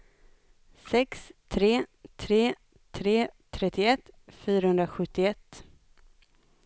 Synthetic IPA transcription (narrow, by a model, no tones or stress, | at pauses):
sɛkst̪ʰɾeːt̪ʰɾeː | t̪ʰɾeːt̪ʰɾɛt̪ːɪɛt̪ːfyːɾahɵnd̪ɾaɧɵt̪ːɪɛt̪ː